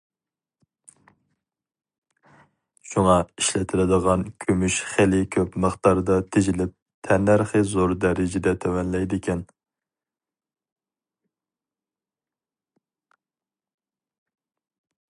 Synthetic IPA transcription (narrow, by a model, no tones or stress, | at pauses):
ʃuŋɑiʃlɛt̪ʰɪlɪd̪əʁɑnkʲʰømyʃχelɪkʲʰøpməχt̪ɑɾd̪ɑt̪ʰɪd͡ʒɪlɪp̚ | t̪ʰɛnːæɾχɨzoɾd̪ɛɾɪd͡ʒɪd̪ɛt̪ʰɛwɛnlɛjd̪ɪkʲɛn